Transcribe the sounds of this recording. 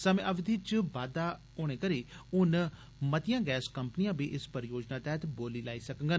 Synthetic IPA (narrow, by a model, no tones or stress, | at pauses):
səmẽːʔəʋɪd̪ʱiːt͡ʃbaːd̪aː | oːɽ̃ẽːkəɾiːʊn | mət̪ɪjãːɡɛːskəmpənijãːbiːʔɪspəɾjoːd͡ʒnaːt̪ɛːt̪boːliːlaːiːsəkəŋɡən